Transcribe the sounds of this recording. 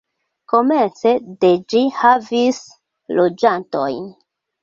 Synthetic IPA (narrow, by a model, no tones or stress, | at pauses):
ko̞me̞nt͡se̞de̞d͡ʒihavis | lod͡ʒanto̞̰jn